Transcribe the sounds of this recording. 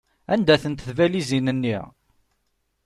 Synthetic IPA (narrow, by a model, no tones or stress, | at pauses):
ænd̪æθənt̪θvælizinənːiʁ